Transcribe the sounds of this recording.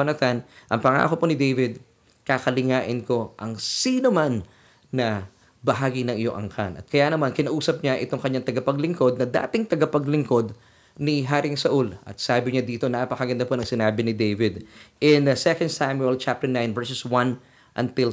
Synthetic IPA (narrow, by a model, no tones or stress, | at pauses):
ɐnɐt̪anʔɐŋpɐŋa̰ːkoponɪd̪ejvɪd̪̚ | kakɐlɪŋaːʔɪnko̞ʔɐŋsiːnomanː | ɐ | bɐɦaːɡɪnɐŋʔɪjoŋʔɐ̰ŋkʰa̰nʔɐ̰t̪̚kɐjaːnɐmankɪnɐʔuːsɐp̚ɲaʔɪt̪o̞ŋkɐɲaŋt̪ɐɡɐpɐɡlɪŋko̞d̪̚nɐd̪a̰ːt̪ɪŋt̪ɐɡɐpɐɡlɪŋko̞d̪ | nɪɦaːɾɪŋsɐʔulʔɐ̰t̪̚saːbɪɲad̪iːt̪o̞napɐkɐɡɐnd̪aponɐŋsɪnaːbɪnɪd̪ejvɪd̪ʔɪnd̪sɛkɐnd̪samjuɛlt͡ʃap̚t̪ɛɹnajnvɛɹsɛswɐn | ʔɐnt̪ɪl